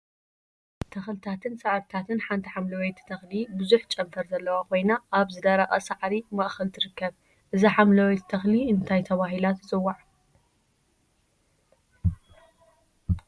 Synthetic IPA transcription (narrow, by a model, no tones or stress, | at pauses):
t̪ʰɐxlɨt̪ʰat̪ʰɨnsaʕɾt̪ʰat̪ɨnħant̪ʰiħamlɐwejt̪ʰːt̪ʰɐxlibɨzuħt͡ʃʼɐmfɐɾzɐlːɐwakʰo̞jnaʔaβzɨd̪ɐɾɐʔʼɐsaʕɾimɐʔxɐlt̪ʰɨɾɨkːɐβ | ʔɨziħamlɐwet̪t̪ʰɐxliɨnt̪ʰajt̪ʰɐβaɦilat̪zɨwːaʕ